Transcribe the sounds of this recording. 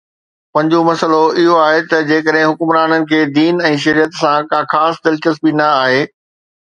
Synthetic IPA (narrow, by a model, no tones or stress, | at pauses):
pɐ̃ɦɲ̆d͡ʑomɐsəloɪɦoaːɦet̪ɐd͡ʑeːkəɗɦɪ̃ɦʊkʊmɾaːnənɪ̆kʰeːd̪iːnɛ̃ːʃ̬ɐɾijət̪sãkaːxaːsd̪ɪlt͡ɕəs̬binɐaːɦeː